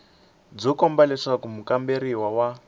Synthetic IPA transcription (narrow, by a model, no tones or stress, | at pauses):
d͡zɔkɔmbalɛʂakumukambeɾiwawa